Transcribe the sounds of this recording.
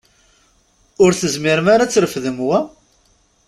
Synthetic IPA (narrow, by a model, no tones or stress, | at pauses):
ʊɾθəzmɪɾmaɾat͡sːɾəfðəmwæ